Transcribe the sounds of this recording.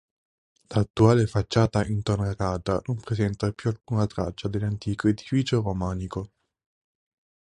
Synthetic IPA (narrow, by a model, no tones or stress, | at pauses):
laːt̪ːuaːlefat͡ʃːaːt̪aʔint̪onaɾaːt̪a̰nompɾesɛnt̪apjualkuːnat̪ɾa̰t͡ʃːad̪elːant̪iːkoed̪ifiːt͡ʃoromaːniko